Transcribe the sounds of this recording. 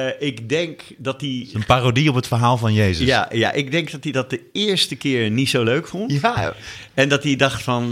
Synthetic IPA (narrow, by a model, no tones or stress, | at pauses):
ɪkdɛŋkdɑtiənpaːrodiɔpɦətfəɹɦaːlˠvɑnjejzəjaja̰ʔɪɡ̚dɛŋk̚dɑtidɑt̚dəɪːɹstəkɪːɹnitsowløɥkfɔnt | ɛndɑtidɑχtfɑn